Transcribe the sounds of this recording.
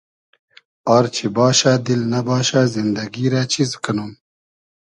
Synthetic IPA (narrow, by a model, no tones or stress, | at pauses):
aːɾt͡ʃʰibɑːʃad̪ilnɐbɑːʃazind̪ɐɡiɾat͡ʃʰizkɐnum